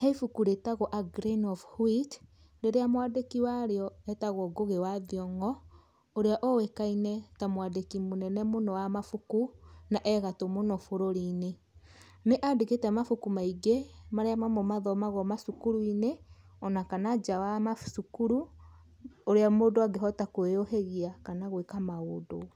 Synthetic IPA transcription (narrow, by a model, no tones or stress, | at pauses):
heifukuɾetaɣɔʔaɡɾinɔfhwit | ɾeɾeamwadekiwaɾeɔɛtaɣɔɡoɣewaðiɔŋɔ | oɾeaʔɔwekainɛtamwadekimonɛnɛmonɔwamafukunaʔɛɣatomonɔfoɾoɾine | neʔadeketɛmafukumaiɡemaɾeamamɔmaðɔmaɣɔmasukuɾuine | ɔnakanad͡ʒawamasukuɾu | oɾeamoːdoaɡeɦɔtakoejoheɣiakanaɣwekamaodo